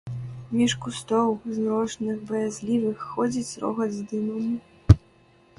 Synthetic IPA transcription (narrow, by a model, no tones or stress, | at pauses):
mʲiʂkust̪ɔwznɔʂnɨxbɐjazʲlʲivɨxːɔd͡zʲit͡sʲɾɔ̰ɣɐd̪zd̪ɨmɐmi